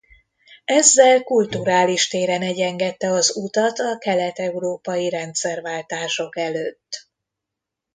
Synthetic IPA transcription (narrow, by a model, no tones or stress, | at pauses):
ɛzːɛlkult̪uɾaːliʃt̪eːɾɛnɛɟɛŋɡɛt̪ːɛɒzut̪ɒt̪ɒkɛlɛt̪ɛuɾoːpɒjiɾɛnt̪sɛrvaːlt̪aːʃo̞kɛløːt̪ː